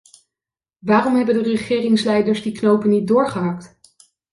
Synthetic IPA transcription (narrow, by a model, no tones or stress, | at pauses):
ʋaːrɔmɦɛbəndərəχɪːrɪŋslɛjdəɹzdiknowpənːit̚dʊːɹχəɦɑkt